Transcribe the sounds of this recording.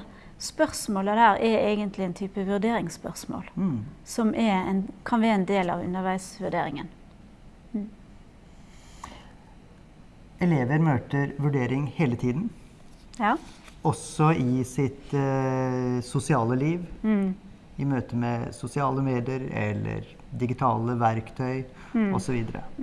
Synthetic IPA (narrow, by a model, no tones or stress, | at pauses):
spœʁsmoːləd̪æːɾɛeːɡənt̪ʰlɪɛnt̪ʰyːpəʋʉʁd̪eːɾɪŋspœ̰ʁsmo̰ːlsɔmʔɛɾɛnkʰɑnʋæɾɛnd̪eːlɑ̰ʋʉ̰nːəʁʋæɪsʋʉɖ̪eːɾɪ̰ŋən | ɛleːʋəɾmøːt̪əɾʋʉɖeːɾɪŋheːlət̪ʰiːd̪n̩ | ɔsɔʔɪsɪt̪ | sʊsɪɑːləliːʋ | ɪmøːt̪əmɛsʊsɪɑːləmeːd̪ɪəɾɛ̰lːə̰ɾ | d̪ɪɡɪt̪ʰɑːləʋæɾkt̪ʰœʏ | ɔsɔʋiːd̪əɾə̰